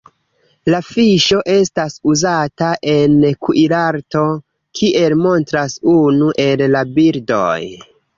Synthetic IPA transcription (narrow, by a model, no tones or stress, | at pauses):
lafiʃo̞ʔe̞stasuzataʔe̞nkuʔiɾaɾto̞ | kʰiʔe̞lmo̞ntɾasunuʔe̞lːabiɾdo̰j